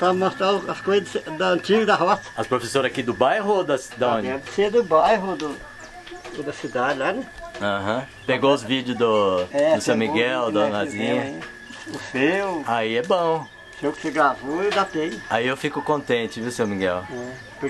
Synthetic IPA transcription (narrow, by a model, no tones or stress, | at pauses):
pɾɐmost̪ɾaʊɐskojzɐsd̪ɐɐ̃t͡ʃiɡɐd̪ɐɦɔsɐ̥ɐspɾofesoɾɐakid̪ʊbajɦʊd̪ɐsd̪ãõd͡ʒɛsed̪ʊbajɦʊd̪ʊ | d̪ɐsid̪ad͡ʒɪlanɛ̃ɐ̃ɦɐ̃ | peɡoʊzvid͡ʒʊzd̪ʊɛʊsemiɡɛwd̪ɐ̃nazĩɲɐ | ʊsewaiɛbõw̃ | sewkɪ̥sɪɡɾavoɪd̪at̪ẽaiewfikʊkõnt̪ẽnt͡ʃɪviwsewmiɡɛwɛ | pʊ